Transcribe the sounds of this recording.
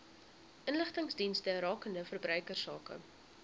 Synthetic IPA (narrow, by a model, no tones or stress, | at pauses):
ʔənləχtəŋsdinstəɾɑːkəndəfərbrœɥkərsɑːkə̰